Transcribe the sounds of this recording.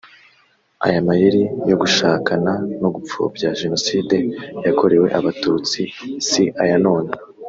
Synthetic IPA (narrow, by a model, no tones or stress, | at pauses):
a̰jamajiɾijo̞ɡuʃaːkanano̞ɡup͡fṵbɟaʒe̞no̞siːde̞jako̞ɾe̞we̞ʔaβatut͡sisiʔajano̞ːna